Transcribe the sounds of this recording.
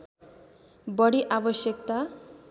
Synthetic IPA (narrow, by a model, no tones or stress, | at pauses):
bʌɽiʔabʌsjʌkt̪a